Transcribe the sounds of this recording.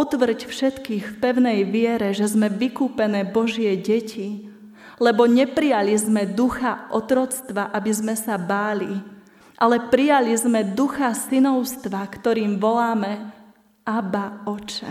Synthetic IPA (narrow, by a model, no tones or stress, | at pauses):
ɔt̪ʋr̩cfʃɛt̪kiːxfpɛʊnɛjʋɪɛɾɛʒɛzmɛʋikuːpɛnɛːbɔʒɪɛɟɛcʰi | lɛbɔɲɛpɾijalizmɛd̪uxaʔɔt̪ɾɔt͡st̪ʋaʔabizmɛsabaːli | ʔalɛpɾijalizmɛd̪uxasinɔʊst̪ʋakt̪ɔɾiːmʋɔlaːmɛ | abaɔt͡ʃɛ̰